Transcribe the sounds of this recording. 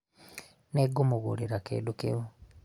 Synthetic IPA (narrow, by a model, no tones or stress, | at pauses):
neɡomoɣṵɾeɾakḛdukḛo